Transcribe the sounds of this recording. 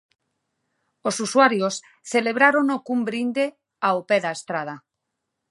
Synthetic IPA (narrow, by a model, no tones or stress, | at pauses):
osuswaɾjos | θeleβ̞ɾaɾonokumbɾind̪e | aopeðaest̪ɾað̞a